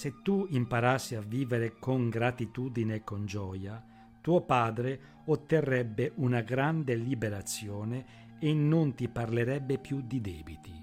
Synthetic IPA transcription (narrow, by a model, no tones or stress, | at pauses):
set̪ːuimpaɾasːiavːiːveɾekoŋɡɾat̪it̪uːd̪ineːkːond͡ʒɔːja | t̪uːopaːd̪ɾe | ot̪ːerːɛbːeʔunaɡɾand̪elibeɾat̪sːjɔːneː | nːont̪ipaɾleɾɛbːepjud̪id̪ɛːbit̪i